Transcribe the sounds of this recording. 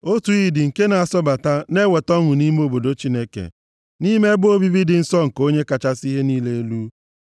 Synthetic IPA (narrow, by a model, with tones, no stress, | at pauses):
o˦tu˨i˦dɪ˨ŋ̩˨ke˦na˨a˨sɔ˦ba˨ta˦ne˦we˨tɔ˦ŋʊ˨ni˦me˦o˦bo˨do˨˦t͡ʃi˦ne˦kḛ˨ | ni˦me˦bʊ˦o˦bi˦bi˦dɪ˨n̩˦sɔ˦ŋ̩˨ko˦ɲe˦ka˨t͡ʃa˦si˦ɦe˦niː˦le˦e˦lu˦